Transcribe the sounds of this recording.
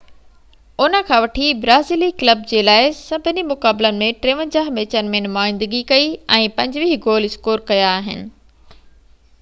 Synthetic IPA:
ʊnə̆kʰãːʋɐʈʰibɾaːziːlikləb̚d͡ʑeːlaːɪsɐbʱɪnimʊkaːbɪlənɪ̆mẽʈɾeːʋə̃nd͡ʑaːɦmeːt͡ɕənɪ̆mẽnʊmaːɪ̃nd̪əɡikɐiɛ̃ːpɐ̃ɲd͡ʑʋiːɡoːlɪskoːɾkɐjaːɦɪnɪ̆

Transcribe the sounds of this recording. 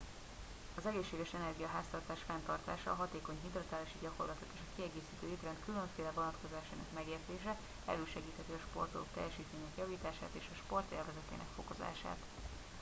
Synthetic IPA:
ɒzɛɡeːʃːeːɡɛʃɛnɛrɡijɒɦaːst̪ɒrt̪aːʃfɛnt̪ɒrt̪aːʃɒːɦɒt̪eːko̞ɲɦid̪rot̪aːliʃiɟɒko̞rlɒt̪ok̪eːʃɒkiɛɡeːsiːt̪øːit̪rɛnt̪kyløɱfeːlɛvo̞nɒt̪ko̞zaːʃaːnɒ̰kmɛɡeːrt̪eːʃɛ | ɛ̰løːʃɛɡiːt̪hɛt̪iɒʃpo̞rt̪olokt̪ɛ̰jːɛʃiːt̪meːɲɛkjɒviːt̪aːʃaːt̪eːʃɒʃpo̞rt̪ḛːrvɛzɛt̪ḛːnɛ̰kfo̞ko̞za̰ːʃa̰ːt̪

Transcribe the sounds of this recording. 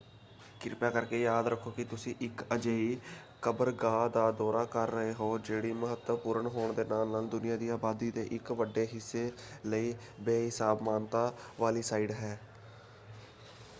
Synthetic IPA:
kɪɾpaːkəɾkeːjaːd̪ɾəkʰːoːkɪt̪ʊsĩːʔɪkəd͡ʒeːiː | kəbəɾɡaːd̪aːd̪ɔːɾaːkəɾːəɦeːɦoːd͡ʒeːɽiːməɦət̪ːəpuːɾəɳɦoːɳd̪eːnaːlnaːld̪ʊnɪjãːd̪iːaːbaːd̪iːd̪eːʔɪkʋəɖːeːɦɪsːeːləiː | beːɦɪsaːbmaːnt̪aːʋaːliːsaːiɖɦɛː

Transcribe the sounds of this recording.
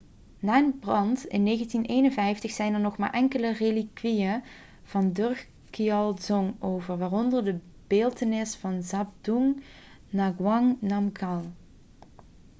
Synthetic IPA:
naːənbrɑntɪ̰nːeːɣəntineːjnənvɛjftəxsɛjnərnɔχma̰ːɹʔɛŋkələrelikʋijə | v̥ɑndɵɹ | kiɑlˠzɔŋowvərʋaːrɔndərdə | b̥eːlˠtənɪsfɑnzab̚duŋ | naɡwɑŋnamkɑlˠ

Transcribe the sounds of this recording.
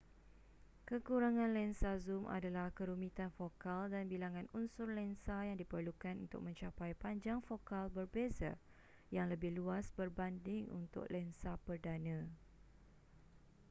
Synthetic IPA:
kəkuɾaŋãnlɛnsazumʔa̰dalahkəɾumĩt̪anfokaldanbilaŋãnunsʊrlɛnsajaŋdipərlukanṵnt̪ʊ̰k̚mə̃ɲt͡ʃapajpaɲd͡ʒaŋfokalbərbeza̰ | jaŋləbɪhluasbərbandɪŋṵnt̪ʊ̰k̚lɛnsapərdanã

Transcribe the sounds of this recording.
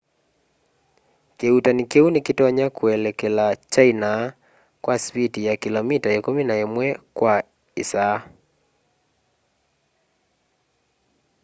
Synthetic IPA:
keutanɪkeunekitɔɲakwɛlɛkelat͡ʃaina | kwaspitijakilɔmitaekominaemwɛkwa | isa

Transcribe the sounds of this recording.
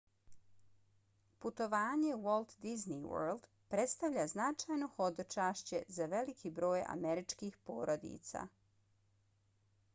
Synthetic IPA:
put̪o̞ʋaːɲewolˠt̪d̪izniwø̰ːld̪̥ | pɾe̞t̪st̪aʋʎaznat͡ʃajno̞xo̞d̪ot͡ʃaːʃt͡ɕezaʋe̞likʰibɾo̞ːja̰meɾit͡ʃkixpoːɾo̞d̪ḭt̪sa̰

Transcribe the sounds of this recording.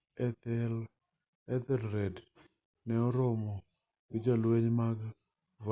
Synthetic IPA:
ɛt̪ɛl | ɛt̪ɛlɾɛd | nɛɔɾɔmɔ | ɡɪd͡ʒalweɲmaɡ | v

